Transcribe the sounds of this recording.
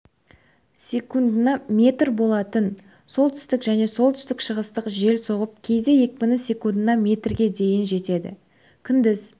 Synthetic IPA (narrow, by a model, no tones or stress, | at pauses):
sʲe̞kund̪ənɑmʲe̞t̪ɾbo̞lˠɑt̪ən | so̞lˠt̪ʰʏ̥st̪ɪkʒæne̞so̞lˠt̪ʰʏ̥st̪ɪkʃəʁəst̪əqʒe̞lso̞ʁəp̚kʲʰe̞jd̪e̞je̞kʲpʲɪnɪsʲe̞kund̪ənɑmʲe̞t̪rɡʲe̞d̪e̞jɪnʒe̞t̪e̞d̪ɪ̰ | kʲʰʏnd̪ɪz